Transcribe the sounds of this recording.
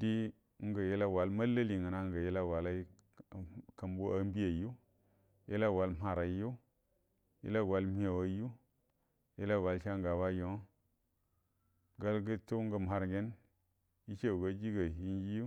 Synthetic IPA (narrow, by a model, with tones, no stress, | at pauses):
di˦ | ŋ̩˦ɡə˨je˦la˦wa˨lma˦la˦li˨ŋə˨na˦ŋɡa˨je˦la˦wa˨la˦˨ | ka˨mbu˦a˦m˦bi˦ja˨ju˦ | jḛ˦la˦˨wa˨˦lma˨ɾa˨˦ju˦ | jḛ˦la˦ɡwa˨lmi˦a˨wa˨˦ju˦ | je˦la˦wa˨lʃa˦ŋ˦ɡa˨wa˦jo˨˦ | ɡa˦lɡə˦to˦ŋ˦ɡə˨m˨ha˨ɾŋɡe˦n | i˦t͡ʃe˦˨ɡa˦d͡ʒi˦ɡa˨ɦi˦n˦d͡ʒi˦ju˦